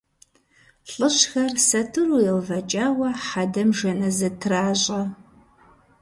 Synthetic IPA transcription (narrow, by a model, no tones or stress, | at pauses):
ɬʼɨɕxɐrsɐtʰɨrujɛlvɐt͡ʃʼaːwɐħadɐmʒɐnɐzɨtʰɨraːɕʼɐ